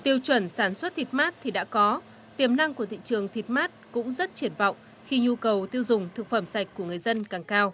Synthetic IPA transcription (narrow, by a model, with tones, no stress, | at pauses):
t̪i˧əwt͡ɕwə˧˩nsaː˧˩nswə˦˥t̚t̪ʰi˨˩t̚maː˦˥t̚t̪ʰi˨˩ɗa̰ː˧˥kɔ˨˦ | t̪i˨˧˩əmna˧ŋku˧˩ət̪ḭ˧˨t͡ɕɨ˨˩əŋt̪ʰi˨˩t̚maː˦˥t̚kʊ̰˧˥ŋ͡mzə˦˥t̚t͡ɕi˧˩ənvɔ̰˧˨wŋ͡m | xi˧ɲu˧kə˨˩wt̪i˧əwzʊ˨˩ŋ͡mt̪ʰɨ˨˩k̚fə˧˩msa˨˩jk̟̚ku˧˩əŋɨ˨˩əjzə˧nkaː˨˩ŋkaː˧w